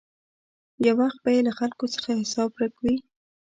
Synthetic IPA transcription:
jawaxt̪̚bajelaxalkot͡sə̥xahɪsɑb̚ɾakwi

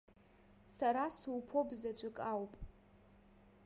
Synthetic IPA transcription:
saɾasuwpʰo̞bzat͡ʃʷʼɪkʼawpʼ

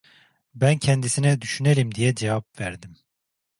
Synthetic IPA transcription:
bæncʰɛnd̪isinɛd̪yʃyneɾimd̪ijɛd͡ʒɛvap̚væɾd̪im

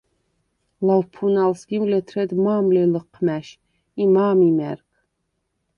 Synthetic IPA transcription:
lawpʰunalsɡiwlɛt̪ʰɾɛd̪maːmlɛləqʰːmæʃ | imaːmimɛ̰ɾkʰ

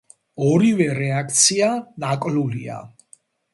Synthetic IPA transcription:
ɔɾivɛɾɛakʰt̪sʰianakʼlulia̰

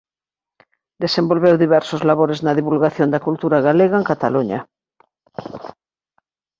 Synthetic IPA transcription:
d̪esembo̞lβewðiβ̞ɛɾsozlaβoɾeznaðiβulɣaθjond̪akult̪uɾaɣaleɣaeŋkat̪a̰luɲa̰

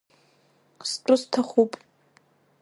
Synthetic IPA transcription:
sʈ͡ʂʷʼʊstʰaχupʼ

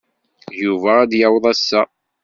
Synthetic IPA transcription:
juvææd̪jawðˤæsːæ

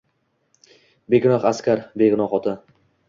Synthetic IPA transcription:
beɡʲʊnɒχaskʲaɾbeɡʲʊnɒqɒt̪ʰa

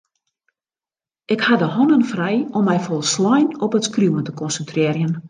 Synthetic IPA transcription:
ʔɪkhadəhɔnənfrɛjɔmːɛjfɔlˠslɔjnɔpətskrjuwəntə̥kɔnsəntrɪːrjən

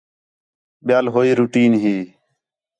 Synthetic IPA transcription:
ɓɪjaːlɦoːiːɾuːʈiːnɦiː

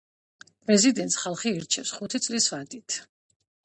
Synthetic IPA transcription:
pʼɾɛzid̪ɛnt̪sχalˠχiːɾt͡ʃʰɛfsχut̪ʰit̪sʼlisvad̪it̪ʰ

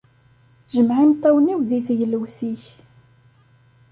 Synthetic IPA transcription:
ʒəmʕimt̪ˤːɑwniwðiθjəlːwsiç

